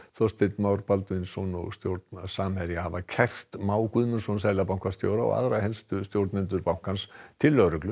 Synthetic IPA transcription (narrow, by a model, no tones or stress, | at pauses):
θɔst̪ɪt̪mawɾpalt̪ʏinsɔnɔ̰ɣst̪jowɾt̪nsaːmhɛɾjahavacʰɛr̥t̪maːwkʏðmʏnsɔnsaːjlapawŋkvast̪jo̰wɾaɔ̰ɣa̰ðɾahɛlst̪ʏst̪jowɾt̪nɪnt̪̬ʏɾpawŋ̥kanst̪ʰɪlːœɣɾʏklʏ